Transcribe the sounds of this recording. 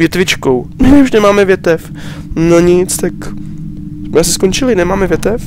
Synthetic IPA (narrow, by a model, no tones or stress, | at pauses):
jɛt̪vɪt͡ʃkowmɪuʃnɛmaːmɛvjɛt̪ɛf | noɲɪt͡st̪ak | smɛasɪ̥skont͡ʃɪlɪnɛmaːmɛvjɛt̪ɛf